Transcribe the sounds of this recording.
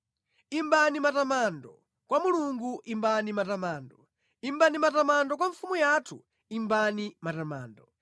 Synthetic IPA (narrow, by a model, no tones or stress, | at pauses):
imbanimatamandɔ | kwamuluŋɡuʔimbanimatamaːndɔ | imbanimatamandɔk̬waɱfumujatʰṵ | imbanimatamaːndɔ